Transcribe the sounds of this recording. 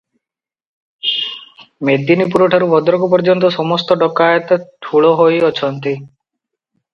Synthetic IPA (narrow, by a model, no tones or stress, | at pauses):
med̪inipuɾɔʈʰaɾubʱɔd̪ɔɾɔkup̬ɔɾd͡ʒɔnt̪ɔsɔmɔst̪ɔɖɔkajɔt̪ɔʈʰuɭɔɦojɔt͡ʃʰɔnt̪i